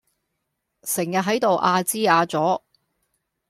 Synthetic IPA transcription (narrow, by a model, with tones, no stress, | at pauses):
sɪ˨˩ŋjɐ˨t̚ɦɐ˨˥jt̪o˨wʔaː˧t͡siː˥aː˧t͡sɔː˨˥